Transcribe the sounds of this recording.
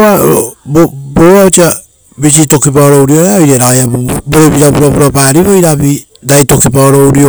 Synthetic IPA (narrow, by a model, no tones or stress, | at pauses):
aboboaot͡ʃia | bit͡ʃito̞kipaoɾo̞wɾio̞ɾeaojɾeɾaajabboɾebiɾapuɾapuɾapaːɾiβojɾabi | dajto̞kipaoɾo̞wɾio